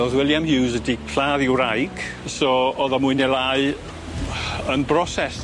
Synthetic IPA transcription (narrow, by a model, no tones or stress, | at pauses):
ɔðwɪlˠjamhɪwzədikʰl̥aːðɪwɾajɡ̥ | sɔɔðɔmujnɛlaɨ | ənbrɔsɛs